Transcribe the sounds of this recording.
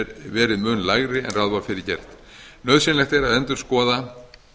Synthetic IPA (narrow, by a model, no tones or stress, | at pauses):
ɾvɛːɾɪðmʏnlaɣɾɪɛ̰nraðvafɪɾɪɾcɛr̥t̪ | nœðsɪnlɛxt̪ɛɾaðɛnt̪ʏ̥skɔːða